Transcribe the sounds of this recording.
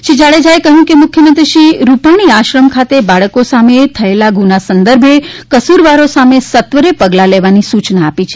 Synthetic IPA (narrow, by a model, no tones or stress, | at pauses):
ʃid͡ʒaɭed͡ʒaekəɦũkemʊkʰjəmənt̪ɾʃiɾupaɽ̃iaʃɾəmkʰat̪ebaɭəkosamet̪ʰəelaɡunasənd̪əɾbʱekəsuɾʋaɾosamesət̪ʋəɾepəɡlaleʋanisut͡ʃnaːpit͡ʃʰe